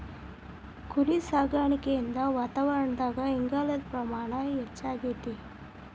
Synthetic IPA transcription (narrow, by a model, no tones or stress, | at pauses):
kʰuɾisaːɡaːɳikeind̪aʋaːt̪aʋɐɾəɳd̪aːɡaiŋɡaːlɐd̪pɾɐmaːɳaɛt͡ʃːaɡet̪i